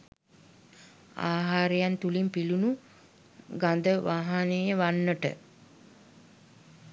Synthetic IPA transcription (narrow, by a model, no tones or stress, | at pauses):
a̰ːɦaːɾejant̪ulimpilunu | ɡand̪əʋaːɦanejəʋanːəʈə̰